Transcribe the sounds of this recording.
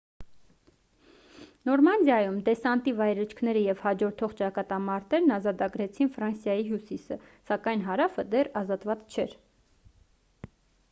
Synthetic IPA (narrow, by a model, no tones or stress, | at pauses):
nɔɾmɑnd̪jɑjumd̪ɛsɑnt̪ivɑjɾət͡ʃʰkʰn̪ɛɾəjɛvhɑd͡ʒɔɾt̪ʰɔχt͡ʃɑkɑt̪ɑmɑɾt̪ɛɾnɑzɑt̪ɑɡɾɛt͡sʰinfɾɑnsjɑjiɦjusisə̰sɑkɑjnɦɑɾɑfəd̪ɛrɑzɑt̪vɑt͡st͡ʃʰɛɾ